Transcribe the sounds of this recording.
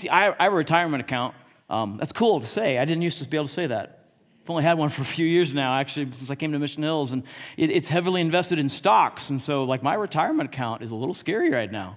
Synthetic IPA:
siʔaɪaɪvəɹɨtʰaɪə˞mɨ̃ɾ̃tɨkʰãʊ̃nt̚ | ʔʌ̰̃mðæ̰tskʰulˠtʰəseɪaɪdɪdⁿn̩tjʉstʌsbieɪbl̩ˠtʰəseɪðæ̰t̚ | fãɪ̃ñlˠiɨd̚wʌ̃nfə˞ɨfjʉjɪɹznaʊæk̚t͡ʃʉl̩ˠisɪ̃ns̬aɪkʰẽɪ̃ntɨmɪʃn̩hɪlˠzə̃nʔɨɾɨtshɛvl̩ˠiɨ̃ɱvɛstɨɾɨ̃n̩stɑksn̩soʊlaɪk̚maɪɹɨtʰaɪə˞mɨ̃ntɨkʰãʊ̃ntɨzəlɪɾl̩ˠskɛɹiɹaɪtⁿnaʊ

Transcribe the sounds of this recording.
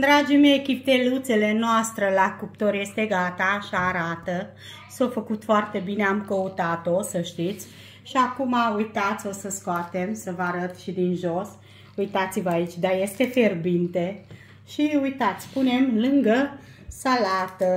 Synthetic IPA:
d̪ɾad͡ʒimejkʲip̚t̪elut̪sele̞noast̪ɾəlakup̚t̪oɾje̞st̪e̞ɡat̪aʃaːɾat̪ə | sofəkut̪foart̪e̞bineamkəut̪at̪o̞səʃt̪it̪sʲ | ʃiakumaujt̪at̪sʲo̞səskoat̪e̞msəvaɾət̪ʃid̪inʒo̞s | ujt̪at̪sivəait͡ʃʲd̪aje̞st̪e̞fe̞rbint̪e | ʃiujt̪at̪sʲpune̞mlɨŋɡə | salat̪ə

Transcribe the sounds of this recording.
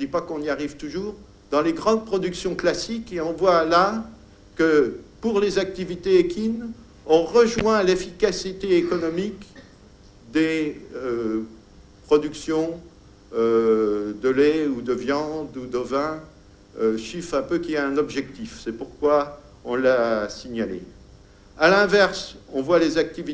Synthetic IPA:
d̪ipakɔ̃niaʁivt̪uʒuːʁ | d̪ɑ̃leɡʁɑ̃d̪̚pχɔd̪yksjɔ̃klasikeɔ̃vwala | kəpuʁlezak̚t̪ivit̪eekʲin | ɔ̃ʁəʒwɛ̃lefikasit̪eːkɔnɔmik | d̪eø | pχɔd̪yksjɔ̃ | ød̪əlɛud̪əvjɑ̃d̪ud̪əvɛ̃ | øʃifɛ̃pøkʲiaɛ̃nɔbʒɛk̚t̪ifsɛpuʁkwa | ɔ̃lasiɲalḛ | alɛ̃vɛʁsɔ̃vwalezak̚t̪ivi

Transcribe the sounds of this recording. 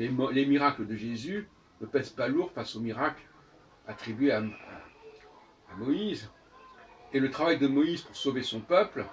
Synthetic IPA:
emlemiʁakləd̪əʒezy | nəpɛzpaluʁfasomiʁakl | at̪χibɥea | amɔiz | elət̪χavajd̪əmɔizpuʁsovesɔ̃pœpl

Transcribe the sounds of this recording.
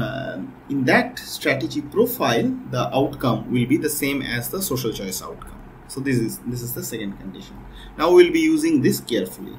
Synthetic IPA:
ɪ̃nd̪æʈsʈɾæʈed͡ʒipɾoːfaɪld̪əʔaʊʈkʌ̃mʋɪlbid̪əsẽːmɛ̰zd̪əsoːʃəlt͡ʃɔɪsa̰ʊʈkʌ̃m | soːd̪ɪsɪzd̪ɪs̬ɪzd̪əsɛkə̃ɳɖ̚kə̃ɳɖɪʃə̃n | naʊʋɪlbijuːzɪ̃ŋd̪ɪskeːɾfʊlḭ

